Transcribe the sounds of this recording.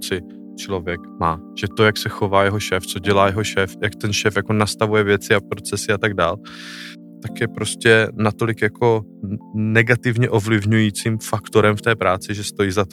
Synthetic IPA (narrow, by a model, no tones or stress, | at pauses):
t͡sɪ | t͡ʃlo̞vjɛkmaː | ʒ̥ɛt̪o̞jaksɛxo̞vaːjɛɦo̞ʃɛːft͡so̞ɟɛlaːjɛɦo̞ʃɛːfjakt̪ɛnʃɛːfjako̞nast̪avujɛvjɛt͡sɪapɾo̞t͡sɛsɪat̪aɡdaːl | t̪akjɛpɾo̞scɛnat̪o̞lɪkjakʰo̞ | nɛɡat̪ɪvɲɛʔo̞vlɪvɲujiːt͡simfakt̪o̞ɾɛmft̪ɛːpɾaːt͡sɪʒɛst̪o̞jiːzat̪